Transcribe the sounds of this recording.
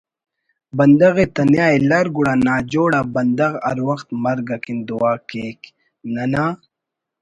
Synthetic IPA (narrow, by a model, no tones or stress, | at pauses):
bɐnd̪ɐɣet̪ɐnjaːelaɾɡuɽanaːd͡ʒoːɽabɐnd̪ɐɣa̰ɾwɐxt̪mɐɾɡakind̪uwaːkeːk | nanaː